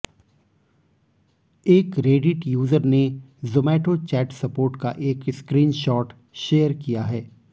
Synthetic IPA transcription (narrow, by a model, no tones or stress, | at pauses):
eːkɾeːɖɪʈjuːzəɾnezoːmɛːʈot͡ʃɛːʈsɐpoːɾʈka̰ʔeːkɪskɾiːnʃɔːʈ | ʃeːjəɾkijaɦɛː